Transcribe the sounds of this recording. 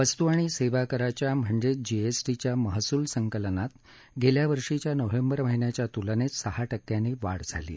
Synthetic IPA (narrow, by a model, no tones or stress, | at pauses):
ʋəst̪uaɽ̃iːseʋakəɾat͡ɕjam̤əɳd͡ʑed͡ʑiesʈit͡ɕjaməɦsuːlsəŋkəlnat̪ | ɡʱeljaʋəɾʂit͡ɕjanəʋembəɾməɦinjat͡ɕjat̪ulənet͡ssəhaʈəkːjaniːʋaɽd͡zʱa̰lḭː